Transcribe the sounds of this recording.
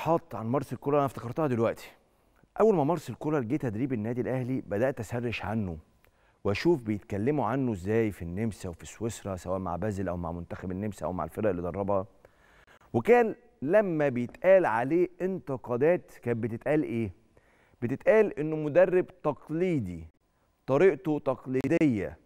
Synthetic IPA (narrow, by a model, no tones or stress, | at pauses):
ħɑt̪ˤːʕanmɑɾˤselkoɾˤɑʔænæft̪ɑkɑɾˤt̪ɑhɑd̪elwæʔt̪i̥ | ʔæwːælmæmɑɾˤselkoɾˤɑlɡiːt̪æd̪ɾiːbenːæːd̪ilʔæhlibæd̪æʔt̪ʔæsærːeʃʕa̰nːo | weʔæʃuːfbejet̪kælːemoʕanːoezːæːjfinːemsæwefiswesɾˤɑsæwæːʔma̰ʕbæzlʔæwma̰ʕmʊnt̪æxæbenːemsʔæ̰wma̰ʕḛlfedæʔelːid̪ˤɑɾˤːɑbhɑ | wekæːn | læmːæbejet̪ʔæːlʕaleːʔɪnt̪eqɑd̪æːt̪kæːnbet̪et̪ʔæːlʔeː | b̥et̪et̪ʔæːlʔenːʊmʊd̪ærːebt̪ɑqliːd̪i | t̪ˤɑɾiːʔt̪ot̪ɑqliːd̪ejːæ